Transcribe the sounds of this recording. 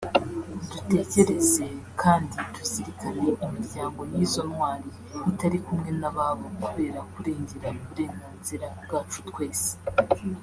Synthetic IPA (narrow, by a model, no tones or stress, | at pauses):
dute̞ːce̞ɾe̞ze̞kʰaːnditusiɾikaɾe̞imiɾɟaːŋɡo̞niːzo̞nŋwaːɾi | hitaɾikumŋe̞naβaːβo̞kuβe̞ːɾakuɾe̞ːɲɟe̞ɾanuβuɾe̞ːŋɡaːnziɾabɡaːt͡ʃu̥tkwe̞ːse̥